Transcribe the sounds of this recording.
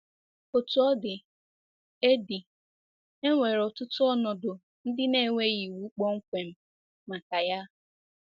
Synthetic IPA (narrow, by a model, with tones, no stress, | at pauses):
o˨tʊ˨˦ɔ˦dɪ˨ | e˦di˨ | e˦ŋʷe˨ɾɔ˨tʊ˦tʊ˦ɔ˦nɔ˨dʊ˨ | n̩˦dɪ˦ne˦˨ŋʷe˦ɣi˨wu˦k͡pɔ˦ŋ̩˦kʷe˨m̩˦ | ma˨ka˨ja˦